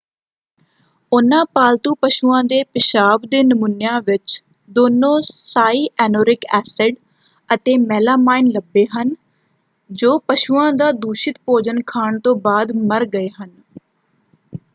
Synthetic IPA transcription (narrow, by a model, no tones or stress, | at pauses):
ʊnãːpaːlt̪uːpəʃuːãːd̪eːpɪʃaːbd̪eːnəmʊnjãːʋɪt͡ʃ | d̪oːnõːsaːiːʔɛːnoːɾɪkɛːsɪɖ | ət̪eːmɛːlaːmaːɪnləbːeːɦən | d͡ʒoːpəʃuːãːd̪aːd̪uːʃɪt̪poːd͡ʒənkʰaːɳt̪õːbaːd̪məɾɡəeːɦən